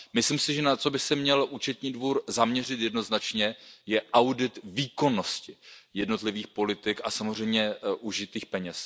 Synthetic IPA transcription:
mɪsliːmsɪʒɛnat͡so̞bɪsɛmɲɛlʔuːt͡ʃɛt̪ɲiːdvuːɾzamɲɛr̝ɪt̪jɛdno̞znat͡ʃɲɛjɛʔawdɪt̪viːko̞no̞scɪjɛdno̞t̪lɪviːxpo̞lɪt̪ɪkasamor̝ɛjmɲɛʔuʒɪt̪iːxpɛɲɛs

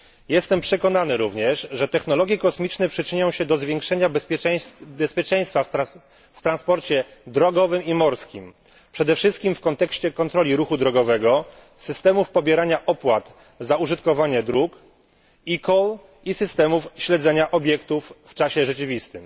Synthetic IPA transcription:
jɛst̪ɛmpʂɛkɔnanɘɾuvɲɛʂʐɛt̪ɛxnɔlɔɡʲjɛkɔsmʲit͡ʂnɛpʂɘt͡ʂɘɲɔ̃w̃ɕɛd̪ɔzvʲjɛ̃ŋkʂɛɲabʲ | bɛspʲjɛt͡ʂɛ̃j̃st̪fa | ft̪ɾanspɔɾt͡ɕɛd̪ɾɔɡɔvɘmimɔɾskʲim | pʂɛd̪ɛfʂɘst̪̚kʲimfkɔnt̪ɛkɕt͡ɕɛkɔnt̪ɾɔlʲiɾuxud̪ɾɔɡɔvɛɡɔ | sɘst̪ɛmufpɔbʲjɛɾaɲaʔɔpwat̪ | zauʐɘt̪kɔvaɲɛd̪ɾuk | ikɔl | isɘst̪ɛmufɕlɛd̪zɛɲaʔɔbʲjɛkt̪ufːt͡ʂaɕɛʐɛt͡ɕɘvʲist̪ɘm

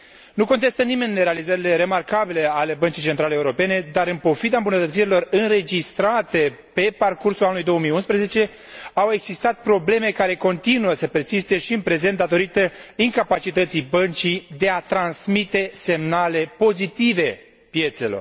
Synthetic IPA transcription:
nuko̞nt̪e̞st̪ənimenːɾealizəɾile̞ɾe̞markabile̞ale̞bənt͡ʃijt͡ʃe̞nt̪ɾaleːuɾo̞pe̞ne̞d̪aɾɨnpo̞fid̪aɨmbunət̪ət̪siɾilo̞rɨnɾe̞d͡ʒist̪ɾat̪e̞ | pe̞parkursulanulujd̪o̞əmijunspɾezet͡ʃe̞ | awe̞ɡzist̪at̪̚pɾo̞ble̞me̞kaɾe̞ko̞nt̪inuəsəpe̞rsist̪e̞ʃiɨnpɾe̞zent̪d̪at̪o̞ɾit̪əiŋkapat͡ʃit̪ət̪sibənt͡ʃid̪e̞at̪ɾansmit̪e̞se̞mnale̞po̞zit̪ive̞ | pje̞t̪se̞lo̞̰r

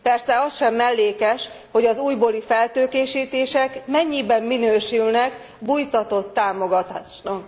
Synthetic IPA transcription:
pɛrsɛɒsʃɛmːɛlːeːkɛʃ | ho̞ɟɒzuːjboːlifɛlt̪øːkeːʃiːt̪eːʃɛkmɛɲːibɛmːinøːʃylnɛk | bujt̪ɒt̪o̞t̪ːaːmo̞ɡɒt̪aːʃnɒk

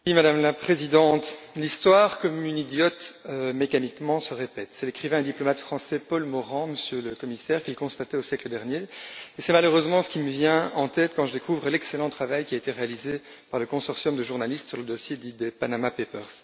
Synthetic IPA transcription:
imad̪amlapχezid̪ɑ̃t̪list̪waʁkɔmynid̪jɔt̪ømekanikmɑ̃səʁepɛt̪sɛlekχivɛ̃d̪iplɔmat̪fχɑ̃sɛpɔlmɔʁɑ̃məsjøləkɔmisɛːʁkilkɔ̃st̪at̪ɛosjɛkləd̪ɛʁnjeesɛmaløʁøzmɑ̃sə̥kʲiməvjɛ̃ɑ̃t̪ɛt̪kɑ̃ʒəd̪ekuvʁəlɛkselɑ̃t̪χavajkʲiaet̪eʁealize | paʁləkɔ̃sɔʁsjɔmd̪əʒuʁnalist̪syʁləd̪ɔsjed̪id̪epanamapepœʁs

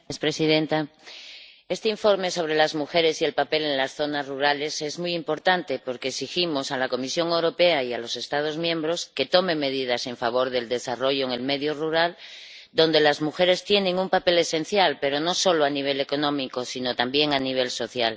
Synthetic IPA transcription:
espɾe̞siðe̞nt̪a | e̞st̪eiɱfo̞ɾme̞so̞β̞ɾe̞lazmuxe̞ɾe̞sie̞lpape̞le̞ŋlasθo̞nazruɾale̞se̞zmujimpo̞ɾt̪ant̪e̞po̞ɾkeːksiximo̞salako̞misjoŋe̞wɾo̞pe̞aialo̞se̞st̪að̞o̞zmjẽ̞mbɾo̞ske̞t̪o̞me̞me̞ð̞ið̞ase̞ɱfaβ̞o̞ɾðe̞ld̪e̞saro̞ʝo̞eŋe̞lme̞ðjoruɾald̪o̞nd̪e̞lazmuxe̞ɾe̞st̪je̞nẽ̞ŋumpape̞le̞se̞n̟θjalpe̞ɾo̞no̞so̞loaniβ̞e̞le̞ko̞nõ̞miko̞sino̞t̪ambje̞ŋaniβ̞e̞lso̞θjal

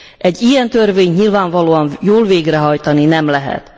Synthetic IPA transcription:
ʔɛɟːijɛnt̪ørveːɲɲilvaːɱvɒloːɒnjoːlveːɡrɛɦɒjt̪ɒninɛmlɛɦɛ̰t̪

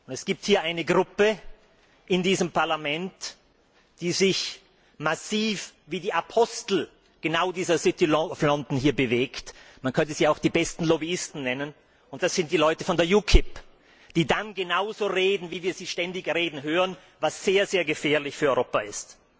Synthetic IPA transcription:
ʔʊntɛsɡ̥iːp̚thiːɐʔaɪnəɡʁʊpə | ʔɪndiːzəmpʰaɐlamɛnt | d̥iːzɪç | masiːfviːdiːʔapʰɔstl̩ | ɡ̥ənaʊdiːzɐzɪtilflɔntn̩hiːɐbəveːktmankʰœntəziːaʊxd̥iːbɛstn̩lɔbiɪstn̩nɛnən | ʊnt̚d̥asz̥ɪnt̚d̥iːlɔʏtəfɔndeːɐjuːkʰɪp | d̥iːdanɡənaʊzoːʁeːdn̩viːviːɐziːʃtɛndɪçʁeːdn̩ɦøːʁən | vasz̥eːɐzeːɐɡəfɛːɐlɪçfyːɐɔʏʁoːpaɪst

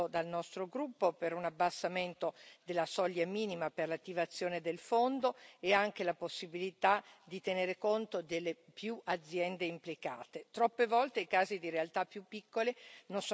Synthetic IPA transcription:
od̪alnɔst̪ɾoɡɾupːopeɾunabːasːament̪od̪elːasɔʎːamiːnimaperlat̪ːivat̪sːjoːned̪elfond̪oeaŋk̟elaposːibilit̪ad̪it̪eneːɾekont̪od̪elːepjuʔad̪zːjɛnd̪eimplika̰ːt̪et̪ɾɔpːevɔlt̪eikaːzid̪iɾealt̪apːjupːikːolenons

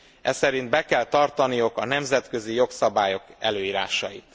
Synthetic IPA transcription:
ɛ̰sɛɾind̪̚bɛkɛlt̪ɒrt̪ɒnijukɒnɛmzɛt̪kø̞zijo̞ksɒbaːjo̞kɛ̰løːiːɾa̰ːʃɒjit̪

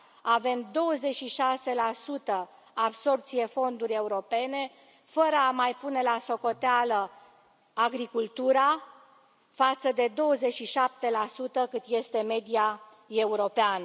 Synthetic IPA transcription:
ave̞md̪o̞wəze̞t͡ʃʃiʃase̞lasut̪ə | abso̞rpt̪sije̞fo̞nd̪urʲje̞uɾo̞pe̞ne̞ | fəɾəamajpune̞laso̞ko̞t̪ealə | aɡɾikult̪uɾa | fat̪səd̪e̞d̪o̞wəzet͡ʃʃiʃap̚t̪e̞lasut̪əkɨt̪je̞st̪e̞me̞d̪ia | e̞uɾo̞peanə

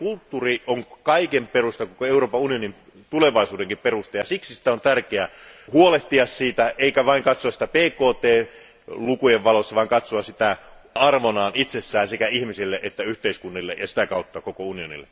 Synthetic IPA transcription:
kult̪ːuːrioŋkɑikemperust̪ɑkokoeuroːpɑunionim | t̪uleʋɑisuːdeŋkipperust̪ɑjɑsiksisi̥t̪æont̪ærkeæhuoleht̪iɑssiːt̪æʔeikæʋɑiŋkɑt̪soɑsit̪æpeːkoːt̪eː | lukujeʋʋɑlosːɑʋɑˑiŋkɑt̪soɑssit̪æɑrʋonɑːnit̪sesːæːnsekæihmisilːeʔet̪ːæyht̪eiskunːilːejɑsi̥t̪ækɑut̪ːɑkokounionḭlːḛ

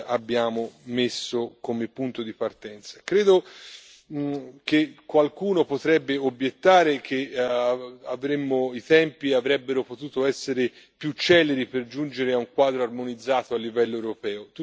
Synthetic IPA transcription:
abːjaːmomesːokomepːunt̪od̪ipart̪ɛnt̪sḁkɾeːd̪o | kekːwalkuːnopot̪ɾɛbːeobjet̪ːaːɾek̟ʰe | avɾemːoit̪ɛmpiavɾɛbːeɾopot̪uːt̪oɛsːeɾe | pjut͡ʃːɛːleɾiperd͡ʒund͡ʒeɾeauŋkwaːd̪ɾoarmonid̪zːaːt̪oalːivɛlːoewɾopɛːot̪u

